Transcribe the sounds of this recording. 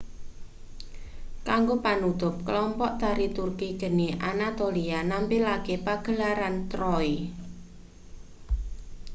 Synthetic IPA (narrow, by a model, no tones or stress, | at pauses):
kaŋɡopanut̪ʊp̚kəlɔmpɔʔt̪aɾit̪urkiɡ̥ə̤neʔanat̪olianampilakepaɡ̥ə̤laɾant̪ɾɔi